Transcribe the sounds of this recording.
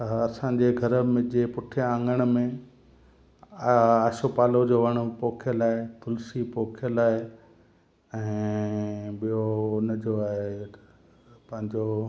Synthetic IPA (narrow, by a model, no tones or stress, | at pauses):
ɐsãːɲd͡ʑeɡʱɐɾəmɪ̃d͡ʑepʊʈʰjããːŋɡəɽ̃̆mẽ | aːʃopaːlod͡ʑoːʋɐɽ̃ʊ̆poːkʰijəlaːɦet̪ʊlsipoːkʰijəlaːe | ɛ̃ː | ɓijonəd͡ʑoaːɦe | pɐ̃ɦɪ̃ɲd͡ʑoː